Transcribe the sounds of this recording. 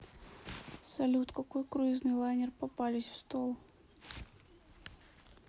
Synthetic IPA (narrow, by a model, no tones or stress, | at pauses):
salʲut̪kakujkɾuiznɨlˠajnʲɛrpapalʲisʲwst̪ɔlˠ